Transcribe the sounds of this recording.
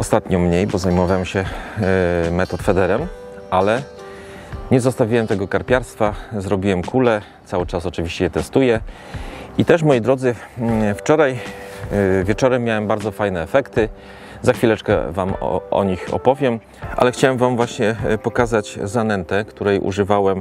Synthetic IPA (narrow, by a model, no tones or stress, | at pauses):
ɔst̪at̪ɲɔmɲejbɔzajmɔvawɛmɕɛ | mɛt̪ɔt̪fɛd̪ɛɾɛm | ʔalɛ | ɲɛzɔst̪avʲiwɛmt̪ɛɡɔkaɾpʲjaɾst̪fazɾɔbʲiwɛmkulɛ | t̪sawɘt͡ʂasɔt͡ʂɘvʲiɕt͡ɕɛjɛt̪ɛst̪ujɛ | it̪ɛʂmɔjid̪ɾɔd̪zɘft͡ʂɔɾaj | vʲjɛt͡ʂɔɾɛmːjawɛmbaɾd̪zɔfajnɛːfɛkt̪ɘ | zaxfʲilɛt͡ʂkɛ̰vam̰ʔɔ̰ɲixɔ̰pɔvʲjɛm | ʔa̰lɛxt͡ɕawɛmvamvwaɕɲɛpɔkazat͡ɕzanɛnt̪ɛkt̪uɾɛjʔṵʐɘvawɛm